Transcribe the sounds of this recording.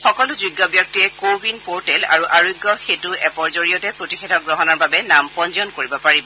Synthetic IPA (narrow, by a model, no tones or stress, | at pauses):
xɔkɔlʊziɡːɔbjɔk̚tiɛkobʱinpoɹtɛla̰ɹuʔaɹojɡːɔxetuɛpɔɹzoɹijɔtɛpɹotixedʱɔɡɹɔɦɔnɔɹbabɛnampɔnzɔnkoɹibɔpaɹibɔ